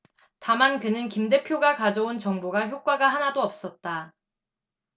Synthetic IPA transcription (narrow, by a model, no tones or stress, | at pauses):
tamankɯnɯnkimde̞pʰjoɡakad͡ʑʌunt͡ɕʌŋboɡaçjok͈waɡaɦanadoʌp̚s͈ʌt̚t͈a